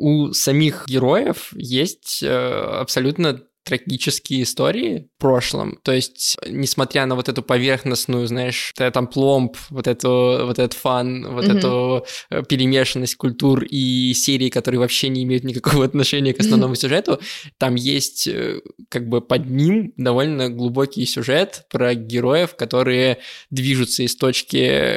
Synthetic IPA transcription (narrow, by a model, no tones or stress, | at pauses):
usɐmʲixɡʲɪɾo̞jəfjesʲtʲə̰ɐ̰psɐlʲut̪nə | t̪ɾɐɡʲit͡ɕɪskʲɪjəɪst̪oɾʲɪɪpɾo̞ʂlˠə̰mt̪o̞ɪsʲtʲnʲɪsmɐt̪ɾʲanəvo̞t̪ɛt̪ʊpɐvʲe̞rxnəsnʊjʊznaɪʂt̪ɛt̪amplˠo̞mpvot̪ɛt̪ʊvo̞t̪ɛt̪ət̪fanvot̪ɛt̪ʊ | pʲɪɾʲɪmʲe̞ʂɨnːəsʲt̚ʲkʊlʲt̪urisʲeɾʲɪːkɐt̪o̞ɾɨjəvɐpɕːenʲɪːmʲejʊt̪nʲɪkɐko̞vəɐt̪nɐʂɛnʲɪjəkəsnɐvno̞mʊsʲʊʐɛt̪ʊt̪amjesʲtʲə̰kaɡ̚bɨpɐd̪nʲimd̪ɐvo̞lʲnəɡlˠʊbo̞kʲɪjsʲʊʐɛt̪pɾəɡʲɪɾo̞jɪfkɐt̪o̞ɾɨjəd̪vʲiʐʊt̪səɪst̪o̞t͡ɕkʲɪ̰